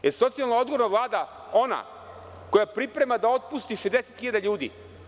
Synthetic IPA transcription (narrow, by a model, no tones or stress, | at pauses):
jeso̞t̪sijalnao̞d̪ɡoɾnaʋlˠaːd̪a | o̞na̰ | ko̞japɾipɾe̞mad̪ao̞t̪̚pust̪iʃezd̪eset̪xiʎad̪aʎuːd̪ḭ